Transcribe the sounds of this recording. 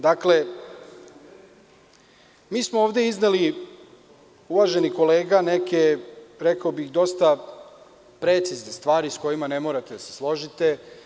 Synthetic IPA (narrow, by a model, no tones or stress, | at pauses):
d̪akle̞ | miːsmooːʋd̪e̞izneli | uʋaːʒe̞niko̞le̞ːɡaneke̞ɾekaobixd̪o̞st̪a | pɾet̪siznest̪ʋaːɾisko̞jimane̞mo̞ːɾat̪ed̪ase̞̥slˠo̞ʒit̪e̞